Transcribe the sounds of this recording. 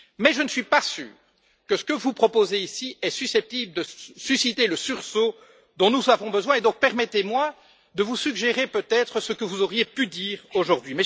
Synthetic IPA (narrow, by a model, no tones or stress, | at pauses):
mɛʒənsɥipasy̰ːʁ | kəsə̥kəvupχɔpozeisiɛsysɛp̚t̪ibləd̪əsysit̪eləsyʁso | d̪ɔ̃nuzavɔ̃bəzwɛ̃ed̪ɔ̃k̚pɛʁmɛt̪emwa | d̪əvusyɡʒeʁepøt̪ɛt̪χəsəkəvuzoʁjepyd̪iːʁoʒuʁd̪ɥimɛ